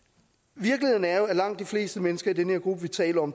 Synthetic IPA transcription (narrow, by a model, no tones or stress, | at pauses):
ʋiɐkliheðˠn̩æɐjoæɐlɑ̈ŋ̰d̥ifle̝̰ːsd̥əmenəsɡ̥ɐidenəheɐɡ̥ʁub̥əʋit͡sʰɛ̰ːlɐɒ̽m